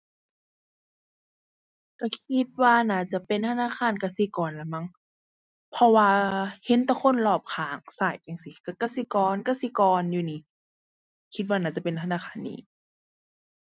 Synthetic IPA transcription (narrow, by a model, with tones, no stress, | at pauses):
ka˧˩kʰi˧˦t̪̚waː˧naː˧˩˨t͡ɕa˧˨pe˨nt̪ʰa˧naː˧˥˨xʰaː˧˥˨nka˧˩si˧˦kɔː˨nla˧˩ma˧˥˨ŋ | pʰɔ˧waː˧he˧˦nt̪kʰo˧˥˨nlɔː˧˩p̚kʰaː˨˩˦ŋsaː˨˩˨jːa˧˨ŋsi˧˦ka˧˩ka˧˩si˧˦kɔː˨nka˧si˧˦kɔː˨njuː˧niː˧˦ | kʰi˧t̪̚waː˧naː˧˩˨t͡ɕa˧˨pe˨nt̪ʰa˧naː˧˥˨xʰaː˧˩˨nːḭː˧˨